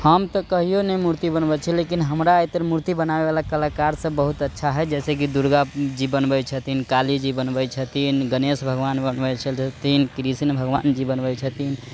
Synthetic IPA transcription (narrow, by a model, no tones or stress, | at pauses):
həmt̪əkəɦijonemuɾt̪ibənbət͡ʃʰɛlekinɦəmɾajt̪əɾmuɾt̪ibənabebalakəlakaɾsə̃bəɦut̪ətːʃʰaɦɛd͡ʒɛsek̬id̪uɾɡad͡ʒibənbət͡ʃʰət̪ʰinkalid͡ʒibənbəjt͡ʃʰət̪inɡənesbʱəɡʋanbənbət͡ʃʰəlt͡ʃʰət̪ʰinkɾisinbʱəɡʋa̰nd͡ʒibənbəjt͡ʃʰət̪in